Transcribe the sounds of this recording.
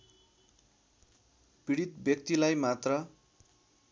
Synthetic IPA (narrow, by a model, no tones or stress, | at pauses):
piɽit̪bjʌk̚t̪ilajmat̪rʌ